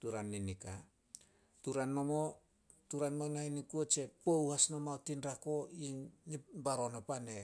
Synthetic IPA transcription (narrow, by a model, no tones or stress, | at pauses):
tuɾanːinika | tuɾanmomo | tuɾanmonainikuot͡ʃe̞powhasnomaotinɾako̞inibaɾo̞nopane